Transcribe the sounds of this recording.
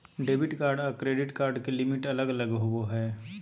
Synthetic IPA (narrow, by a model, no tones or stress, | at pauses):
ɖeːbɪʈkaːɾɖaːkɾeːɖɪʈkaːɾɖkelɪmɪʈɐləɡɐləɡɦʊoɦɛː